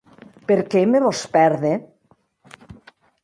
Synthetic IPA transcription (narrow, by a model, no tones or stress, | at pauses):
peɾkemeβospɛɾðe